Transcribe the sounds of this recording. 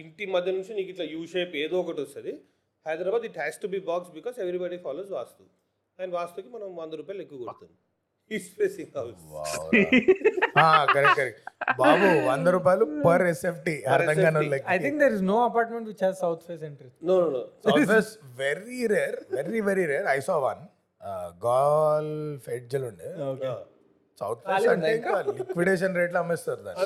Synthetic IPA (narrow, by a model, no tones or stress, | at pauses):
iɳʈimɐd̪ʱjɐnunt͡ʃiniːkiʈlaːjuːʃeːpeːd̪oɔkɐʈɔst̪ɐd̪i | hɐjd̪ɾabaːd̪iʈhɛːsʈubiːbaːksbikɔːzeʋɾibaːɖifʰaːloːzʋaːst̪u | nʋaːst̪ukimɐnɐ̃mʋɐnd̪ɐɾuːpaːjluekːuʋɡoɾut̪und̪i | ispeːsiŋɦɐwsʋa̰ | aːkɐɾɛkʈkɐɾɛkbaaːbuʋɐnd̪ɐɾuːp̬aːjlupɐɾesepʰʈiɐɾd̪ɐŋɡaːnulɐkɐjt̪ʰĩŋkd̪eɾiznoːɐpaːɾʈmẽɳʈʋit͡ʃazsɐwt̪ʰʋeseɳʈɾinoosɐfʋesʋeɾiɾeːɾʋeɾiʋeɾiɾeːɾɐjsɔːʋɐ̰n | ɡaːlfeɖd͡ʒɐluɳɖioke | sɐ̰wt̪ʰʋesɐɳʈelikʋiɖeːʃ̬ɐnɾeːʈlɐmːest̪aɾud̪a̰ːn